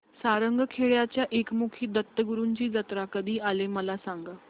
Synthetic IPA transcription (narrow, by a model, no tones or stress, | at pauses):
saɾəŋɡəkʰeɭjat͡ɕjaʔekmukʰiːd̪ət̪ːəɡuɾuːɲt͡ɕiːd͡zət̪ɾakəd̪ʱiːʔaleməlasaŋɡa